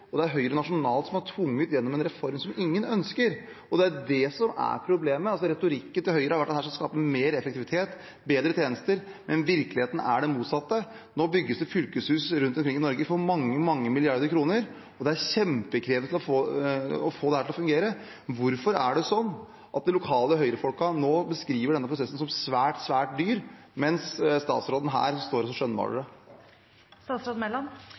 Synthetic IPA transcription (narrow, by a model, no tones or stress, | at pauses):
ɔd̪ɛæɾɦœʏɾənɑʂʊnɑːlt̪sɔmhɑʈʰʋʊŋːət̪jɛnːɔmɛnɾɛfɔɾmsɔmɪŋːənœnskəɾ | ɔd̪ɛæɖɛsɔmæ̰ɾpʰɾʊbleːməɑlsɔɾɛt̪ʊɾɪkːənt̪ɪhœʏɾəhɑɾʋæʈ̚ːd̪ɛhæːʂɔmskɑːpəmeːɾɛfək̚t̪ɪʋɪt̪ʰeːt̪ | beːd̪ɾət̪ʰjeːnəst̪əɾ | mʔɛnʋɪɾklɪheːt̪ənə̰ʔæɖɛmuːt̪sɑt̪ːə | noːbʏɡːəsd̪ɛfʏlkəshʉːsɾʉnt̪ɔmkʰɾɪŋːɪnɔɾɡəfɔɾmɑŋːəmɑŋːəmɪlɪɑɾd̪əɾkʰɾuːnəɾ | ɔd̪ɛæɾɕɛmpəkʰɾeːʋnt̪ɪlɔfoːɔfoːd̪ɛhæːʈʰɪlɔfʉŋɡeːɾə | ʋʊɾfɔɾæɖɛsɔnː | ʔɑt̪̚d̪ɛlʊkʰɑːləɦœʏɾəfɔlkɑnoːbəskɾiːʋəɖɛnːəpʰɾʊsɛsn̩sɔmsʋæːʈsʋæːʈ̚d̪yːɾmɛnsst̪ɑ̰ːt̪sɾoːd̪n̩ɦæ̰ːɾst̪oːɾɔsɔʂœnːbɑ̰ːɖəɖɛ | st̪ɑːt̪sɾoːd̪mɛlːɔn